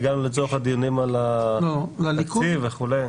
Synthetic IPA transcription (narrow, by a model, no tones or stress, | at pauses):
ɡanulit͡soχad̪ijunimalalolalikkuiveχulej